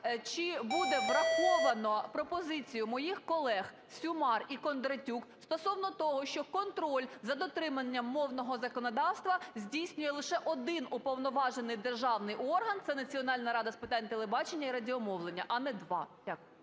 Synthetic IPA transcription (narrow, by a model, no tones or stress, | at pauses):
t͡ʃɪbud̪ɛʋɾɐxɔʋɐnɔpɾɔpɔzɪt͡sʲijʊmɔjixkɔlˠɛx | sʲʊmɑrikɔnd̪ɾɐtʲukst̪ɔsɔwnɔt̪ɔɦɔʃt͡ʃɔkɔnt̪ɾɔlʲzɐd̪ɔt̪ɾɪmɐnʲːɐmːɔwnɔɦɔzɐkɔnɔd̪ɑwst̪ʋɐzʲdʲijsʲnʲʊjɛlˠɪʃɛʔɔd̪ɪnupɔwnɔʋɑʒenɪjd̪erʒɑwnɪjɔrɦɐnt̪sɛnɐt͡sʲiɔnɑlʲnɐɾɑd̪ɐspɪt̪ɑnʲt̪elˠebɑt͡ʃenʲːɐiɾɐdʲiɔmɔwlˠenʲːɐʔɐnɛd̪ʋɑ̰dʲakʊjʊ